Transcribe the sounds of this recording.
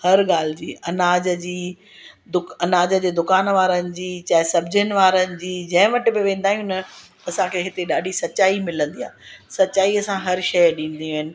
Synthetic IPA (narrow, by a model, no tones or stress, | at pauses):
hɐɾɠaːl̤ɪd͡ʑiːɐnaːd͡ʑə̆d͡ʑiː | d̪ʊkɐnaːd͡ʑə̆d͡ʑeːd̪ʊkaːnʋaːɾənɪ̆d͡ʑiːt͡ɕaːɪsɐb̚d͡ʑənɪ̆ʋaːɾənɪ̆d͡ʑiːd͡ʑɐ̃ɦɪ̃ʋɐʈɪbɪʋẽːn̆d̪aːɦijũnɐ | ɐsãkʰeɦɪt̪eɗaːɖʱisɐt͡ɕaːimɪlə̃nd̪ia̰ːsɐt͡ɕaːiɐsãɦɐɾʃɐjɗĩːn̆d̪iaːɦɪnɪ̆